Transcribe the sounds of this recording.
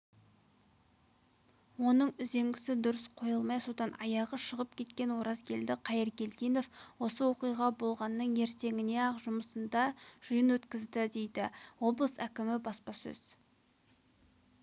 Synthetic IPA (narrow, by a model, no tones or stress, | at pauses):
wo̞nəɴʏze̞ŋɡʲɪsɪd̪ʊɾəsqʰo̞jəlˠmɑjsot̪ɑnɑ̰jɑʁəʃəʁəp̚kʲʰe̞t̪kʲe̞nwo̞ɾɑzɡʲʰe̞ld̪ɪqʰɑjəɾkʲe̞lt̪ijno̞fwo̞səwo̞qijʁɑbo̞lˠʁɑnːəɴe̞ɾt̪e̞ŋʲɪne̞ɑqʒʊməsənd̪ɑʒ̥əjənwɵt̪kʲɪzd̪ɪd̪e̞jd̪ɪwo̞blˠəsækʲɪmɪbɑspɑsɵ̰z̥